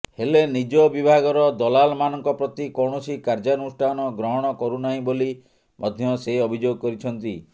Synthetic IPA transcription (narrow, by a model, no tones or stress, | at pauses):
helenid͡ʒɔbibʱaɡɔɾɔd̪ɔlalmanɔŋkɔpɾɔt̪ikɔwɽ̃ɔsikaɾd͡ʒanusʈʰanɔɡɾɔɦɔɽ̃ɔkɔɾunaɦĩboli | mʔɔd̪ʱjɔseɔbʱid͡ʒoɡɔkɔɾit͡ʃʰɔnt̪i